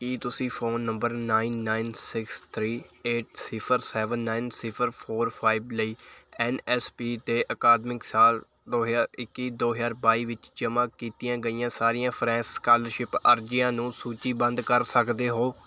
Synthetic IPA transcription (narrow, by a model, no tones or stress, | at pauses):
kiːt̪ʊsĩːpʰoːnːəmbəɾnaːinːaːinsɪkst̪ʰɾiːeːʈ̚sɪpʰəɾsɛːʋənːaːɪnsɪpʰəɾpʰoːɾpʰaːibləiːɛːnɛːspiːt̪eːʔəkaːd̪mɪksaːl | d̪oːɦjaːɾɪkːiːd̪oːɦəzaːɾbaːiːʋɪt͡ʃd͡ʒəmãːkiːt̪ijãːɡəiːãːsaːɾijãːpʰɾɛ̃ːsskaːləɾʃɪpə̰ɾd͡ʒijãːnũːsuːt͡ʃiːbə̃nd̪kəɾsəkd̪eːɦoː